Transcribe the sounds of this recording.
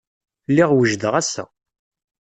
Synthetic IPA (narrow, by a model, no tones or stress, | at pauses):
lːɪʁwəʒd̪əʁæsæ̰